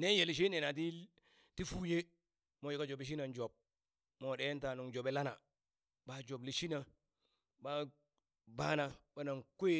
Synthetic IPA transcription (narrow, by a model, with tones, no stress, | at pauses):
ne˦je˨li˨ʃ̬i˦ne˨na˨t̬i˦ | ti˦fu˦˨je˦ | mo˨jo˨ka˦d͡ʒo˨bi˨ʃ̬i˦na˨nd͡ʒo˨b̚ | mo˨ɗe˦nta˨nu˨ŋd͡ʒo˨be˨la˦na˨ | ba˦d͡ʒo˨bli˨ʃi˦na˨ | ba˦ | ba˦na˨ɓa˦na˨ŋko˦je˦